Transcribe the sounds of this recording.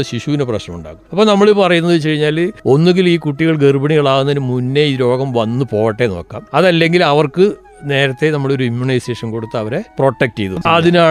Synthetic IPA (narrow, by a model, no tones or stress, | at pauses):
ɕiɕuʋineprɐɕnɐmuɳɖa̰ːɣumɐpːoːnɐmːɐɭepɐrɐjunːɐðɨt͡ɕɐɻiɲːaːlo̞nːuŋɡiliːkuʈːiɣɐɭɡerɨbɐɳiɣɐɭaːʋwunːɐðinɨmunːeiɾo̞ːɡɐmʋɐnːɨpo̞ːjɐʈːe̞no̞̰ːkːa̰ːmɐðɐlːe̞ŋɡilɐʋɐrkɨ | ne̞ːɾɐt̪ːe̞nɐmːɐɭo̞ɾuimjuɳɐjse̞ːʂɐmko̞ɽut̪ːɐɐʋɐɾe̞pro̞ːʈːek̚tːejðuɐðinaː